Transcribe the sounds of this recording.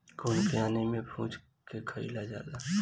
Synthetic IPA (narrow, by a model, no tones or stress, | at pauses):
ɡʊnkjaːnimẽpʰũːd͡ʒ | kekʰəḭlad͡ʒa̰ːlaː